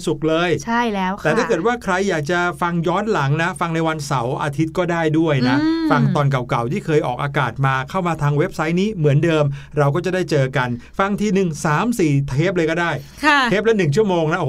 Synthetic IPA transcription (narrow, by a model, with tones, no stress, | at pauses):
su˨˩k̚lɤː˧jt͡ɕʰa˥˩jɛː˦˥wɛː˨˩t̪ʰaː˥˩kɤː˨˩t̪̚waː˥˩kʰɾa˧jːaː˨˩k̚t͡ɕa˨˩fa˧ŋjɔː˦˥nla˩˦ŋna˦˥fa˧ŋna˧jwa˧nsa˩˦wʔa̰ː˧t̪ʰi˦˥t̪̚kɔː˥˩daː˥˩jdu˥˩əjna˦˥fa˧ŋt̪ɔː˧nk̬a˨˩wka˨˩wt̪ʰiː˥˩kʰɤː˧jʔɔː˨˩k̚ʔaː˧kaː˨˩t̪̚maː˧kʰa˥˩wmaː˧t̪ʰaː˧ŋwe˦˥p̚sa˦˥jniː˦˥mɯ˩˦əndɤː˧m | ɾa˧wk̬ɔː˥˩t͡ɕa˨˩daː˥˩jt͡ɕɤː˧ka˧n | fa˧ŋt̪ʰiː˧nɯ˨˩ŋsaː˩˦msiː˨˩t̪ʰeː˦˥p̚lɤː˧jkɔː˥˩daː˥˩jkʰa˥˩eː˦˥p̚lɛ˦˥nɯ˨˩ŋt͡ɕʰu˥˩əmoː˧ŋna˦˥ʔ